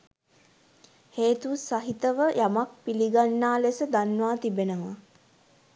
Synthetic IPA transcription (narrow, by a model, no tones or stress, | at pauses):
heːt̪usaɦit̪əʋəjʔamak̚piliɡanːaːlesəd̪anʋaːt̪ibenəʋə